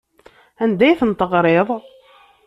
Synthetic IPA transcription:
ænd̪æjθənt̪əʁɾˤeðˤ

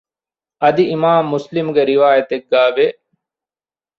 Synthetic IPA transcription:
ɐd̪iɪmaːmːʊslɪmɡeɾɪʋaːjət̪ek̚ɡaːʋe

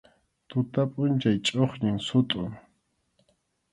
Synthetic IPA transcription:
t̪ʊt̪apʼʊnt͡ʃajt͡ʃʼoχɲɪŋsʊt̪ʼʊŋ

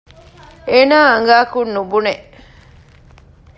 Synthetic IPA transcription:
eːnaːɐŋɡaːkunːubuneʔ

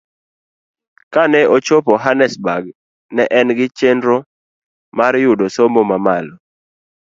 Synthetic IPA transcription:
kanɛot͡ʃopoɦanɛsbaɡ | nɛʔɛnɡɪt͡ʃendɾo | marjʊdosomomamalɔ

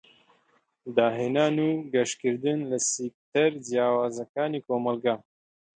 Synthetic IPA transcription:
d̪ɑːɦinɑːnuɡaʃkiɾd̪ɨnlasik̚t̪ɐɾd͡ʒjɑːwaːzakɑːnikomalɡɑ

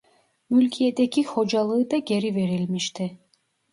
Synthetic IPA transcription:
mylʲkʲʰijed̪ekʲʰiho̞d͡ʒalˠɯɯd̪aɟe̞ɾive̞ɾilʲmiʃt̪ʰi

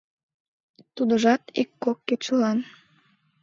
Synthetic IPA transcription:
t̪ud̪əʒɑt̪ḭkːokːet͡ɕəlɑn

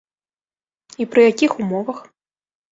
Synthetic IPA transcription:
ipɾɨjakʲixumɔvɐx

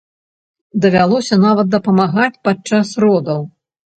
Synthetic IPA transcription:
d̪ɐvʲalˠɔsʲɐnavɐt̪̚d̪ɐpɐmaɣat͡sʲpat͡ʂasrɔd̪ɐw

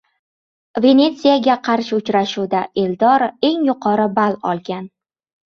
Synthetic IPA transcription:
ve̞ne̞t̪sijaɡʲaqʰɑɾʃɪʊt͡ʃɾaʃuwd̪aʔe̞ld̪ɒɾe̞ŋjʊqʰɒɾɪbalɒlˠɡʲan

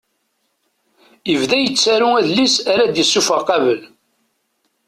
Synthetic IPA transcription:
əvðæjət͡sːæɾuæðlːisæɾæd̪jəsːufəʁqɑvəl

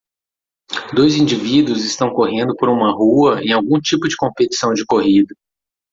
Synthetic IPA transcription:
d̪ojzĩd͡ʒivid̪ʊzɪst̪ɐ̃w̃koɦẽnd̪ʊpoɾũmɐɦuɐẽj̃awɡũt͡ʃipʊd͡ʒɪkõmpet͡ʃi̥sɐ̃w̃d͡ʒɪkoɦid̪ɐ

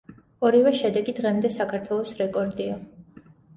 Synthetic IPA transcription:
ɔɾivɛʃɛd̪ɛɡid̪ʁɛmd̪ɛsakʰaɾt̪ʰwɛlˠɔsɾɛkʼɔɾd̪ia

